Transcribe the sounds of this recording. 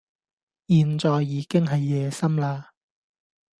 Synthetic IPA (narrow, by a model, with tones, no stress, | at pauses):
jiː˨nt͡sɔː˨jːiː˨˥kɪ˥ŋɦɐ˨jːɛː˨˧sɐ˥mlaː˧